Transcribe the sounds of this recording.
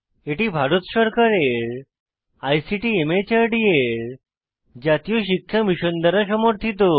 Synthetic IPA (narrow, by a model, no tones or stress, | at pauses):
eʈibʱaɾut̪ɕəɾkəɾeɭ | ajsiʈiːemet͡ɕəɾɖieɾ | d͡ʑat̪ijuɕikʰjəmiɕond̪əɾas̬əmoɾt̪ʰit̪o